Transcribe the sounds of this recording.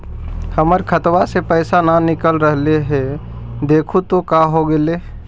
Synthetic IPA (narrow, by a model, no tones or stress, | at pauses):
həməɾkʰət̪wasepəɪsananɪkəlɾəɦleɦe | d̪eːkʰut̪okaɦoɡele